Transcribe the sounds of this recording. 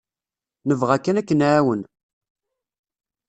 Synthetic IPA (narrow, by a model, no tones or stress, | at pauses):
nəvʁækːænækːənʕawən